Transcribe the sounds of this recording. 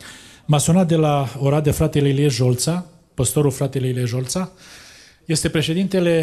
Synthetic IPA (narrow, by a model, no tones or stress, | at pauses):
masionat̪̚d̪e̞laoɾad̪efɾat̪elelieʒo̞lt̪sa | pəst̪o̞ɾulfɾat̪elelieʒo̞lt̪sa | je̞st̪e̞pɾe̞ʃe̞d̪int̪e̞le̞